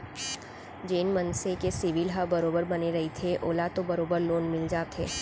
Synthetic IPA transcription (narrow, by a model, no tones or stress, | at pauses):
d͡ʒeːnmənsekesɪʋɪlɦabɐɾoːbəɾbɐneɾɐɦit̪ʰeʔoːlat̪obɐɾoːbəɾloːnmɪld͡ʒaːt̪ʰeː